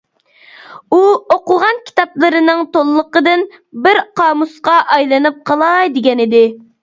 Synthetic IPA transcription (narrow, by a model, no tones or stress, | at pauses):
uoqʊʁɑnkʲʰi̥t̪ɑplˠɨɾɨnɨŋt̪olˠːəqəd̪ɨn | bɪɾqʰɑːmusqɑʔɑjlˠɨnɨp̚qʰɑlˠɑjd̪ɪɡʲɛnɪd̪ɪ